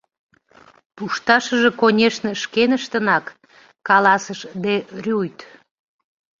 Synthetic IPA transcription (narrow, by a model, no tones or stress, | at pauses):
puʃt̪ɑʃəʒe̽konʲeʃnəʃkenəʃt̪ənɑk | kɑlɑsəʃd̪erʲujt̪